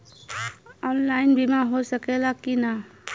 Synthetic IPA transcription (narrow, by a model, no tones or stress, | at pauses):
ɔnlajnbimaɦosəkɛlakina